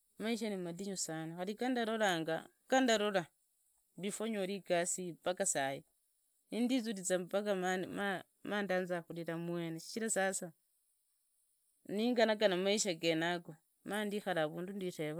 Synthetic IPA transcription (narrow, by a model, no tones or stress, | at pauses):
maiʃ̬animadiɲusanoxalikandaɾolaːŋɡa̰ | kandaɾola | βifoɲoɾikasipakasaje | nindizuɾit͡sampakaama | maːndaːnzaxuliɾamweneʃi̥t͡ʃiɾasasa | niːŋɡanakanamaiʃaɡenaɡo | maːndixalaβuːndundireβa